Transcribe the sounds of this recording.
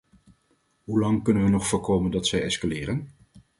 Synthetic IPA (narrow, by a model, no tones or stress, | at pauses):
ɦulɑŋkɵnənʋənɔχfʊːɹkowməndɑtsɛjɛskalɪːrən